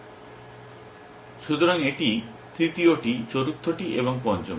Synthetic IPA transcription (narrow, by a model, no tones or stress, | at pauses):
ʃut̪oɾaŋeʈi | t̪ɾit̪ioʈit͡ɕoɾut̪ʰːoʈiʔeβoŋpɔnt͡ɕo̰m